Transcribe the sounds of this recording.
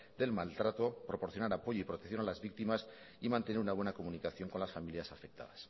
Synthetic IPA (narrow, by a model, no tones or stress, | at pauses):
d̪e̞lmalt̪ɾat̪o̞pɾo̞poɾθjo̞naɾapo̞ʝoipɾo̞t̪ekθjonalazβik̚t̪imas | imãnt̪eneɾunaβwe̞nako̞munikaθjo̞ŋko̞nlasfamiljasafek̚t̪a̰ðas